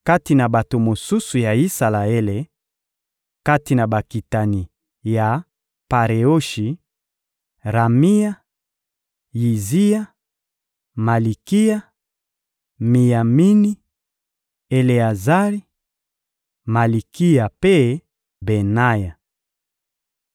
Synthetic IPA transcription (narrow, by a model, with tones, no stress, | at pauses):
ka˦ti˨na˨ba˨to˨mo˨su˦su˨ja˨i˦sa˨la˨e˦le˨ | ka˦ti˨na˨ba˨ki˨ta˨ni˨ | ja˨ | pa˨ʁe˨o˦ʃi˨ | ʁa˨mi˦ja˦ | ji˨zi˦ja˦ | ma˨li˨ki˦ja˦ | mi˨ja˨mi˦ni˦ | e˨le˨a˨za˦ʁi˦ | ma˨li˨ki˦ja˨pe˦ | be˨na˦ja˨